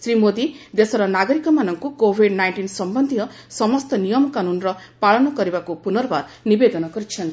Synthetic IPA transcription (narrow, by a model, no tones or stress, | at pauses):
sɾimod̪id̪esʌɾʌnaɡʌɾikʌmanʌŋkokobʱiɖnajɳʈinsʌmbʌnd̪ʱijʌ | sʌmʌst̪ʌnijʌmkanunrʌ | paɭʌnʌɡʌɾibakopunʌrbaɾnibed̪ʌnʌɡʌɾit͡ʃʰʌnt̪